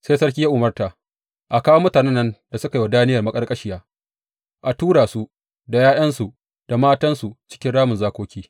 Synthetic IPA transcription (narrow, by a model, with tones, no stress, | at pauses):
seː˦sɐ˦rkʲi˦ja˦ʔʊ˨mɐ˦rta˨ | ʔa˨kaː˦wo˦mʊ˦taː˨nɛ˦nːɐ˦nda˨sʊ˦ka˨ji˦wa˨daː˦nɪ˦jɐ˨rmɐ˦kʼɐ˦rkʼɐ˦ʃɪ˦jaː˦ | ʔa˨tuː˦ɽaː˨su˦ʔ | da˨jaː˦jɐ˦nsu˨ | d̥a˨maː˦tɐ˦nsu˨t͡ʃɪ̥˦kʲɪ˦nɽaː˦mʊ˨nzaː˦kʷoː˦kʲiː˦